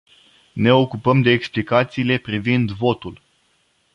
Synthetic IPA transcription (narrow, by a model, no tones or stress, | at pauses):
ne̞o̞kupəmd̪e̞ːksplikat̪siːle̞pɾivind̪vo̞t̪ul